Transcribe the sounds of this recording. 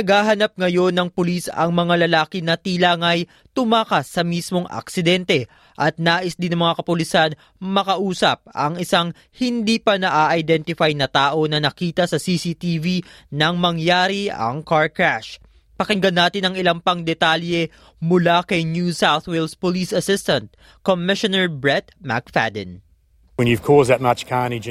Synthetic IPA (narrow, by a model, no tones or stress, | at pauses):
nɐɡhaːɦɐnɐp̚ŋɐjo̞nːɐŋpʊlisɐ̰ŋmɐŋalɐlaːkɪnɐt̪ilaŋɐj | t̪ʊmaːkɐsːɐmismo̞ŋʔɐ̰ksɪd̪ɛnt̪ɛ | ʔɐt̪̚naːʔɪsd̪ɪnɐŋmɐŋakɐpʊlɪsan | mɐkɐʔuːsɐ̰p̚ɐ̰ŋɪsaŋ | hɪnd̪iːpɐnɐʔaːʔɐjd̪ɛnt̪ɪfajnɐt̪aːʔo̞nɐnɐkiːt̪ɐsɐsisit̪ivinɐŋmɐŋjaːɾiɐ̰ŋkaɹkɹaʃ | pɐkɪŋɡɐnːaːt̪ɪnɐŋɪlaŋpɐŋd̪ɛt̪aːljɛ | mʊlakɐjnjusawθwɪlspoliːsɐsɪst̪ɐnt̪̚ | komɪʃonɛɹbɹɛt̪̚ma̰kfa̰d̪ɛ̰n | wə̃njʉv̥kʰɔːzðət̚mat͡ʃkʰanid͡ʒ